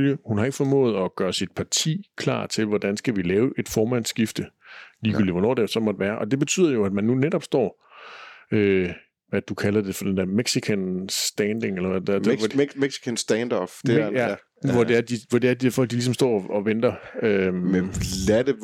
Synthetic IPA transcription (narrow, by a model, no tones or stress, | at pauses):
ljəhunhɑ̈e̝ɡ̥ə̥fɒ̽mɔ̰̽ːð̞̩ˠɒ̽ɡ̥ɶːɐsid̥pʰɑ̈t͡sʰḭːkʰlɑ̰̈ːt͡sʰe̝lʋɒd̥ænsɡ̥æʋilɛːʊʔe̝d̥fɒːmæn̰sɡ̥ifd̥əliːɡ̥y̰ːliʋɒnɒ̰ːd̥esɒ̽mɒ̽d̥eʋæːɐʔɒ̽d̥e̝b̥e̝t͡sʰy̰ð̰ˠɐjo̝æd̥mænːuneɾɒ̽b̥sd̥ɒ̰ː | ø | ʋæd̥ukʰælɐd̥e̝fɒd̥end̥eæɐ̰meɡ̥sikʰænsd̥ænd̥e̝ŋelɐʋæ̥æ̥meɡ̥si̥kʰənsd̥ɛnd̥ɐb̥ejæ | ʋɒd̥eæɐd̥iʋɒd̥e̝æɐd̥iæfɒ̽l̰ɡ̥̚d̥ilisɒ̽msd̥ɒ̰ːɒ̽ʋend̥ɐø | læd